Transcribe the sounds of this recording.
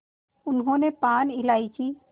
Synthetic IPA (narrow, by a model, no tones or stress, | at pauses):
ʊnɦõnepaːnɪlaːit͡ʃʰi